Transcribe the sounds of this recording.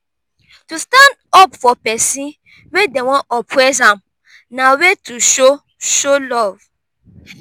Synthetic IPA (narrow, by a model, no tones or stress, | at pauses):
tustãndɔpfɔpɛsĩ | wedewɔ̃nʔɔpʰɹɛs̬ãm | nawetʰuʃo | ʃolɔv